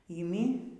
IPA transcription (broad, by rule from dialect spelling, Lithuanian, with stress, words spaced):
iːˈmʲɪ